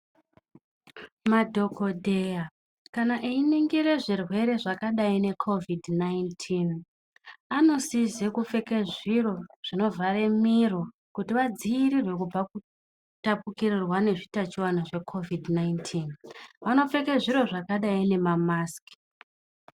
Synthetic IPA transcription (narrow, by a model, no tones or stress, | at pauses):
madʱo̞ko̞dʱeja | kanaʔeiniŋɡiɾe̞ʐirwe̞ɾe̞ʐakaɗaine̞kʰo̞vidʱnaintʰin | ano̞sizekufe̞ke̞ʐiro̞ʐ̥ino̞vaɾe̞miro | kutiʋad͡ziiɾirwe̞kub͡vaku | tapukirirwane̞ʐitat͡ʃiwanaʐe̞kʰo̞vidʱnaintʰinʋano̞fe̞ke̞ʐiɾo̞ʐakaɗaine̞mamaski̥